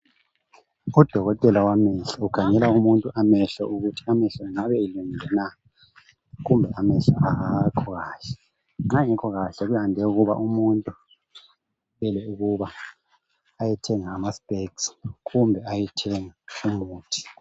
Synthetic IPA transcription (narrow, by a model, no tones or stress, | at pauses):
ud̥ʱɔɣɔtʼɛlawamɛɬaukʰaŋɛlaumuntʼuʔamɛɬɔuɣutʰi̥amɛɬɔŋaβɛːluŋilʱɛna | ɣumbʱɛʔamɛɬaʔaɣakʰɔɣaːɬɛ̥ | ŋ͡ǁaŋɛkʰɔɣaɬɛɣujhandʱɛuɣuβa̰ʔumuntʼu | βɛlɛuɣuβaː | jɛtʰɛŋaːmaspʼeksɣumbʱɛajɛtʰɛŋaumuːtʰi̥